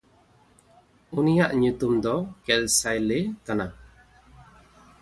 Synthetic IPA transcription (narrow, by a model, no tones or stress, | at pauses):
unijaʔɲut̪umd̪ɔkɛlsajlet̪ana